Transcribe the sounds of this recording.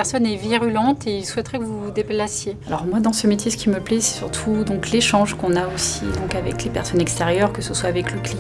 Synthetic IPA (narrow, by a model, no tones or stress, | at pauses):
ɛʁsɔnɛviʁylɑ̃t̪eilswɛt̪ʁɛkəvud̪eplasjealɔʁmwad̪ɑ̃səmet̪ʰjesə̥kʲiməplɛsɛ̥syʁt̪ʰud̪ɔ̃kleʃɑ̃ʒkɔ̃naosḭd̪ɔ̃kavɛ̰klepɛʁsɔnɛkst̪eʁjœʁkəsəswaːvɛkləkli